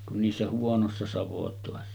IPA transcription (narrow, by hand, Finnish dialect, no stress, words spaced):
kun niːsːæ huonosːɑ sɑʋotoˑesːɑ